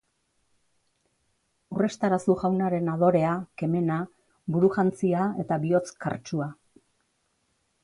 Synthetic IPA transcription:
ure̞st̪aɾasuʝawnaɾe̞naðo̞ɾe̞ake̞me̞na | buɾuʝant͡siae̞t̪aβio̞t͡ska̰ɾt͡ʃua

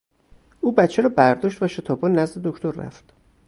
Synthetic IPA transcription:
ʔuːbæt̪t͡ʃʰeɾɒːbæɾd̪ɒːʃt̪væʃet̪ʰɒːbɒnæzd̪e̞d̪ocʰt̪ʰoɾːæ̰ft̪

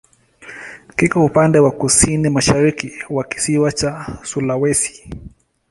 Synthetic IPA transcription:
kikaupandɛwakusinimaʃaɾikiwaki̥siwat͡ʃasulawɛsi̥

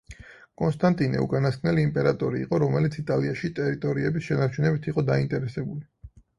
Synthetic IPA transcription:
kʼɔnst̪ʼant̪ʼinɛ̰ṵkʼanaskʰnɛliːmpʼɛɾat̪ʼɔɾiːqʼɔɾɔmɛlit̪sʰit̪ʼaliaʃit̪ʼɛɾit̪ʼɔɾiɛbisʃɛnaɾt͡ʃʰunɛbit̪ʰiqʼɔd̪aint̪ʼɛɾɛsɛbuli

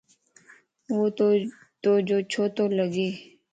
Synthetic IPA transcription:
wot̪o | t̪oːd͡ʒoːt͡ʃʰoːt̪oːləɡeː

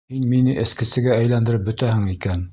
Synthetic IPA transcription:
hinminɘʔɘ̆skɘ̆sɘ̆ɡææjlænd̪ɘ̆ɾɘp̚bɵ̆t̪æhɘŋikæn

